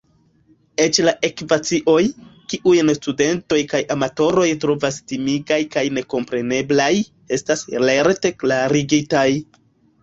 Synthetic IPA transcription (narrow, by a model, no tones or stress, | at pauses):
e̞t͡ʃlaʔe̞kvat͡siʔo̞jkiʔujnstude̞nto̞jkajʔamato̞ɾo̞jtɾo̞vastimiɡajkajne̞ko̞mpɾe̞ne̞blaj | e̞stasleɾte̞klaɾiɡitaj